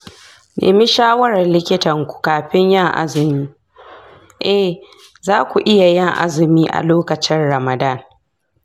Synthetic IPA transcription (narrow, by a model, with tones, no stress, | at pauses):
nʔḛː˨mi˦ʃaː˦wɐ˦ɾɐ˨rlɪ˦kʲɪ˦tɐ˨ŋkʷu̥˨kaː˨ɸɪ˦ɲjɐ˦˨ŋʔa̰˦zɪ˨miː˦ | ʔɛ˦ | zaː˦kʷu˨ʔɪ˦ja˨jɪ˦˨ŋʔa̰˦zɪ˨miː˦ʔa̰˨loː˦kɐ˨t͡ʃɪ˦nɽɐ˨mɐ˨da˦˨n